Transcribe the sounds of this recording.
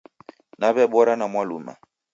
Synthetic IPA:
naβɛbɔɾanamwalṵma̰

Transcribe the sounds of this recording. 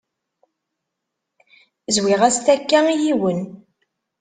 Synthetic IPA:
zwiʁæst̪ækːæijiwən

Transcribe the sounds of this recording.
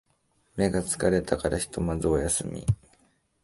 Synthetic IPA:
me̞ɡat͡sɨ̥kaɾe̞t̪ʰakaɾaçi̥t̪o̞mazɨojasɨmʲḭ

